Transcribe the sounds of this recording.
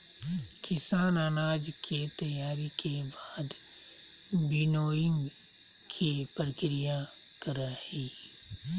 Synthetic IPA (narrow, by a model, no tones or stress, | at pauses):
kɪsaːnaːnaːd͡ʒkʰet̪ɐjaːɾikʰebaːd̪ | bɪnoːɪ̃ŋɡ | kʰipəɾəkɪɾija | kɐɾahiː